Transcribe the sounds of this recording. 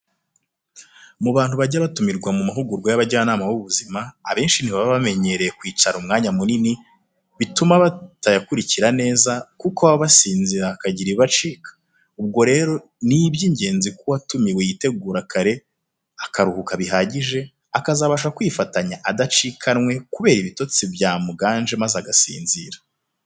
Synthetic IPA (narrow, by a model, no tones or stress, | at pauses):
muβaːn̥huβaɟaβatumiɾɡwamumaɦuɡuɾɡwajaβaɟanaːmawuβuzimaːβe̞ːnʃiniβaβaβame̞ɲe̞ɾe̞jekwiːt͡ʃaɾumŋaːɲamunini | βitumaβatajakuɾiciɾane̞ːzakukoaβaβasiːnziɾakaɟiɾiβat͡ʃiːkḁ | ub̚ɡo̞ɾe̞ːɾo̞ | niβjiːɲɟe̞ːnzikuwatumiwejite̞ɡuːɾakaɾe̞ | akaɾuhukaβiɦaɟiʒe̞ | akazaβaʃakwifataɲaʔadat͡ʃiːkʰanŋwe̞kuβe̞ːɾiβito̞t͡sibjaːmuɡaːnʒe̞mazaɡasḭːnzḭːɾḁ